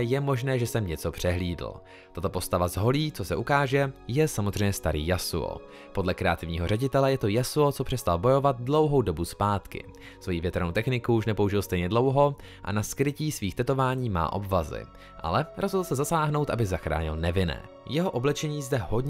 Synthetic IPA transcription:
jɛmo̞ʒnɛːʒɛsɛmɲɛt͡so̞pr̝̥ɛɦliːdl̩ | t̪at̪o̞po̞st̪avazɦo̞liːt͡so̞sɛʔukaːʒɛjɛsamozrɛjɲɛst̪aɾḭːjasṵo̰ | po̞dlɛkɾɛat̪ɪvɲiːɦo̞rɛɟɪt̪ɛlɛjɛt̪o̞jasuot͡sopr̥ɛst̪albo̞jo̞vat̪̚dlo̞wɦo̞wdo̞buspaːt̪kɪ̰ | svo̞jivjɛt̪ɛɾnowt̪ɛxnɪkuuʃnɛpo̞uʒɪlst̪ɛjɲɛdlo̞wɦo̞ | ʔa̰naskɾɪciːsviːxt̪ɛt̪o̞vaːɲiːma̰ːʔo̞̰bvazɪ̰ | ʔa̰lɛɾozɦodl̩sɛzasaːɦno̞wt̪ʔabɪzaxɾa̰ːɲɪ̰lnɛvɪnɛ̰ː | jɛɦo̞ʔo̞blɛt͡ʃɛɲiːzdɛɦo̞dɲ

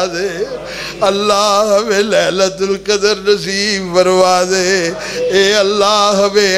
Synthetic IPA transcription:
ðe | ɐlːaːɦɐmeleːlɐt̪ʊlkɐd̪ɐɾnɐs̬iːbbɐɾʋaːðe | eːɐlːaːɦɐʋe

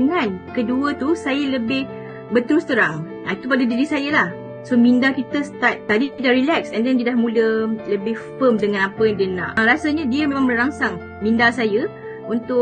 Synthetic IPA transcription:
əŋãnkəduət̪usajələbɪh | bət̪əɾʊst̪əɾaŋ | ait̪upadadidisajəlah | somĩndakit̪əst̪at̪̚ːadiidaʔrilɛksɛndɛndiədahmũlələbɪhfəmdəŋãnapəjaŋdiənã̰ʔɾasaɲədiəmẽmãŋbəɾaŋsaŋ | mĩndasajə | unt̪ʊ

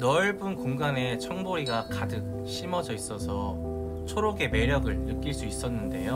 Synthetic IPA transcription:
nʌɭbunkoŋɡane̞t͡ɕʰʌŋboɾiɡakadɯk̚ | ɕ͈imʌd͡ʑʌis͈ʌsʰʌ | t͡ɕʰoɾoɡe̞me̞ɾjʌɡɯɭnɯk͈iɭs͈uis͈ʌnːɯnde̞jo

